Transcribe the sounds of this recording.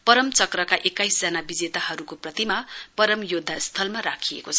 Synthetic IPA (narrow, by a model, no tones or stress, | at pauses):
pʌɾʌmt͡sʌkrʌkaʔekːajsd͡zʌnabid͡zet̪ahʌɾukoprʌt̪imapʌɾʌmjod̪ʱːast̪ʰʌlmaɾakʰiḛkot͡sʰʌ